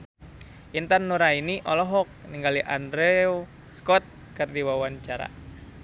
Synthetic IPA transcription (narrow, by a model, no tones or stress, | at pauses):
ʔint̪anːuɾainiʔɔlɔɦɔk̚niŋɡaliʔandɾɛu | skɔt̪̚ | kɨrdiwawaɲt͡ʃaɾa̰